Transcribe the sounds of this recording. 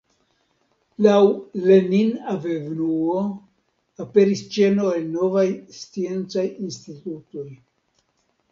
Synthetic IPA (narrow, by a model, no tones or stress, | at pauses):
lawleninavevnuo | ape̞ɾist͡ʃe̞no̞elno̞vajst͡sie̞nt͡sajinstituto̞j